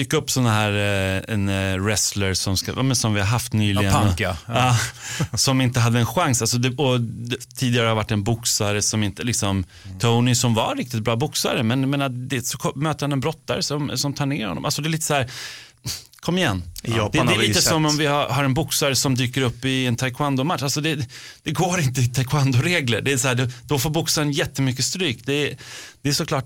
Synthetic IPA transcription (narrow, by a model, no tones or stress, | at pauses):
d̪yːkːaɵpːsɔnːaɦæːɾɛnɾɛsləɾsɔmska̰jɑ̰ːmɛnsɔmvɪhaɾɦaft̪nyːlɪɡəɑːsɔmɪnt̪əɦad̪ːəɛnɧaŋsals̬ɔd̪ɛɔt̪ʰiːd̪ɪɡaɾəhaɾvaʈːɛnbʊksaɾəsɔmɪnt̪əlɪksɔm | t̪ʰoʊnɪsɔmvaɾɪk̚t̪ɪt̪̚bɾɑːbʊksa̰ɾəmɛnjameːnad̪ɛsɔkʰɔmøːt̪əhanɛnbɾɔt̪ʰːaɾəsɔmsɔmt̪ʰɑːɳeːɾhɔ̰ːɔ̰malsɔd̪ɛɾliːt̪ːəshæːɾ | kʰɔmːɪjɛ̰nːd̪ɛːɾlit̪əsɔmːɔmvɪhahaɾɛnbʊksaɾəsɔmd̪yːkəɾɵpːɪɛnt̪ʰajkʰwand̪ʊmat̪ːalsɔd̪ɛ | d̪̥ɛɡoːɾɪnt̪əɪt̪ʰajkʰwand̪ʊɾeːɡlə̰ɖɛæsahæːɖɛd̪̥ɔfoːɾbʊksaɾənjɛt̪ːəmʏkːəst̪ɾyːkd̪ɛd̪̥ɛːʂɔkʰlɑːʈ